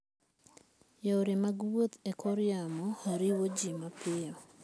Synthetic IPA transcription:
jooɾemaɡwot̪ekʰoɾjamɔhaɾiwod͡ʒimapɪjɔ

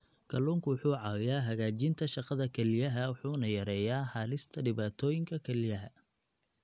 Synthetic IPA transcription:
kʰɐlɔːŋkʰʊwħuːʕɑːwɪjaːɦɐɣaːt͡ʃɪnt̪ʰɐʃɑqɐðɐkʰɛlɪjɐɦɐwʊħuːnɐjɐɾɛːjaːħɑːlɪst̪ʰɐɖɪβaːt̪ʰɔːjɪŋkʰɐkʰɛlɪjɐɦɐ̰

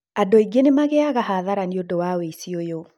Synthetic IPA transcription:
adoiɡenemaɣeaɣahaðaɾaniodowaweisiojo

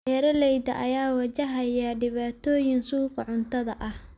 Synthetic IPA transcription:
ɐɾɐlɛjd̪ɐʔɐjaːwɐt͡ʃɐɦɐjɐɖɪβaːt̪ʰɔːjɪŋsuːqɑʕʊnt̪ʰɐðɐʔɐh

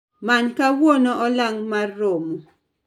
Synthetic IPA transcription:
mankawɔnɔʔɔlaŋmarːomo

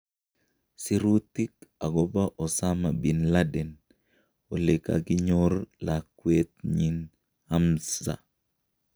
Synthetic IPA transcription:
siɾut̪ːikaɡɔbaʔosamabinladɛn | oleka̰kiɲoɾlakːwet̪ɲin | amsa̰

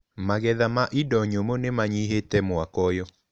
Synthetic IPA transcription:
maɣɛðamaʔidɔɲomonemaɲiɦetɛmwakɔjɔ

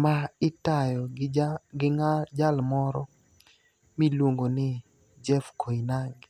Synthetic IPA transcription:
maɪtajɔɡɪd͡ʒalmɔɾɔ | milwoŋɡonɪ | d͡ʒɛfkʰoinaŋɡ

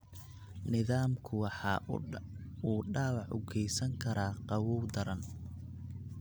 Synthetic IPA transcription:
nɪðaːmkʰʊwɑħɑː | uːɖaːwɑʕʊ̰ɡʰɛjsɐŋkʰɐɾaːqɑwuːwd̪ɐɾɐn

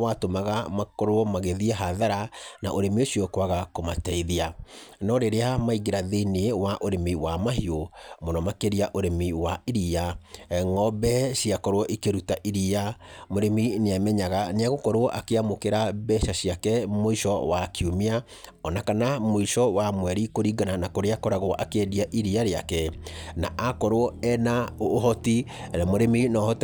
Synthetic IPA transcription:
watomaɣamakɔɾoɔmaɣeðiɛɦaðaɾanaʔoɾemioɕiɔkwaɣakomatɛiðianɔɾeɾeamaiɣeɾaðeneewaʔoɾemiwamaɦiomonɔmakeɾiaʔoɾemiwaiɾiaŋɔbɛʃiakɔɾoɔʔikeɾutaʔiɾiamoɾemineamɛɲaɣaneaɣokɔɾwɔʔakeamokeɾabɛʃaɕiakɛmoiʃɔwakiumea | ɔnakanamoiʃɔwamwɛɾikoɾiɡananakoɾeakɔɾaɣoɔʔakediaʔiɾiaɾeakɛnaʔakɔɾoɔɛnaohɔti | amoɾeminɔhɔt

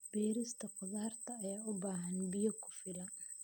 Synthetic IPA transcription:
b̥ɛːɾɪst̪ʰɐqʊðaːrt̪ʰɐːjaːʊbaːɦɐnbɪjɐkʰʊ̥fɪlɐ

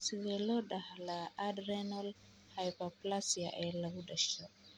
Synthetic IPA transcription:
siwɛlɔɗahalaadɾɛnɔl | hajpaplasia̰ʔɛlawudaʃɔ

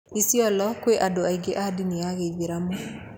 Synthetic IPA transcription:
isiɔlɔkweʔadoaiɡeʔadiniaɣeiɣeɾamo

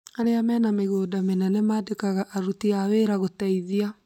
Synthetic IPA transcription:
aɾeamɛːnameɣoːdamenɛnɛmaːdekaɣaʔaɾutiaweɾaɣotaiðia

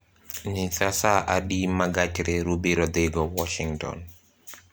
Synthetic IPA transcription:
nisasaʔaɗimaɡat͡ʃɾɛɾubiɾɔd̪ɛɡɔwɔʃiŋtɔ̰n

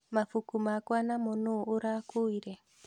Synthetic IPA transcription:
mafukumakwanamonoːɾakuiɾɛ

